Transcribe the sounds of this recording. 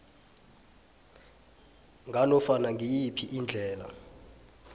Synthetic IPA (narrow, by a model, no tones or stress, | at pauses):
ŋʱanɔfanaŋʱijipʰiʔind͡ɮʱɛːla